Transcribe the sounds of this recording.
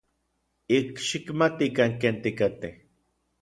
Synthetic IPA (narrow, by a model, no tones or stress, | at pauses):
ikʃikmat̪ikaŋkeːnt̪ikat̪eh